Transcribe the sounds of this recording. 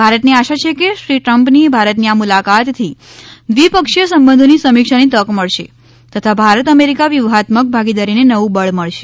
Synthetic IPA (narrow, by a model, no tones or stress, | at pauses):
bʱaɾət̪niaʃat͡ʃʰekeʃɾiʈɾəmpnibʱaɾət̪niamulakat̪t̪ʰi | d̪ʋipəkʃjəsəmbənd̪ʱonisəmikʃanit̪əkməɭʃe | t̪ət̪ʰabʱaɾət̪əmeɾikaʋjuʋɦat̪mək̚bʱaɡid̪aɾinenəʋũbəɭməɭʃe̥